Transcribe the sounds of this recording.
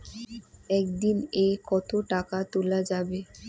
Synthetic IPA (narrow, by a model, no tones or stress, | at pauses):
ɛkd̪inekɔt̪oʈakat̪olad͡ʑabe